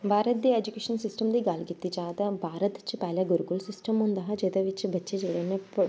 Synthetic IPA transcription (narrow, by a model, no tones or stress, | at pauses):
bʱaːɾɐd̪jɐed͡ʒukʲeːʂɐnsisʈɐmd̪ɐɡaːlɡit̪ːit͡ʃaːt̪ɐbʱaːɾɐt̪it͡ʃːɨpaːlɐɡuɾukulsisʈɐmund̪aːɦɐd͡ʒed̪ɐʋit͡ʃːɨbɐt͡ʃːɐt͡ʃeːɭɐnepːɐɭ